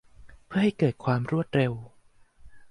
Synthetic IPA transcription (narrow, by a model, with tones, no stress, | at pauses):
pʰɯ˥˩ɐha˥˩jkɤː˨˩t̪̚kʰwaː˧mɾu˥˩ət̪̚ɾe˧w